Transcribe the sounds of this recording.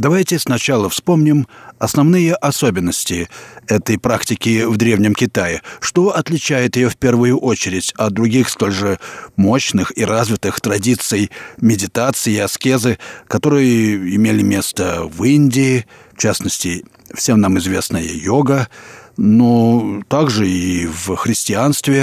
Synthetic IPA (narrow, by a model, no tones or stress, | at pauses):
d̪ɐvajtʲɪsnɐt͡ɕalˠəfspo̞mnʲɪmɐsnɐvnɨjəʔɐso̞bʲɪnːəsʲtʲɪɛt̪əjpɾaktʲɪkʲɪvd̪ɾʲe̞vnʲɪmkʲɪt̪ajɪʂt̪o̞ʔɐt̪lʲɪt͡ɕæjɪt̪jɪjofʲpʲe̞rvɨjʊʔo̞t͡ɕɪɾʲɪtʲɐd̪ɾʊɡʲixst̪o̞lʲʐɨmo̞ɕnɨxiɾazvʲɪt̪ɨxt̪ɾɐdʲit̪sɨjmʲɪdʲɪt̪at̪sɨjɪɐskʲezɨkɐt̪o̞ɾɨjəɪmʲelʲɪmʲe̞st̪əvinʲdʲɪː | ft͡ɕasnəsʲtʲɪ | fsʲe̞mnamɨzvʲe̞snəjə̰jo̞ɡə | not̪aɡʐɨivxɾʲɪsʲtʲɪanst̪vʲɪ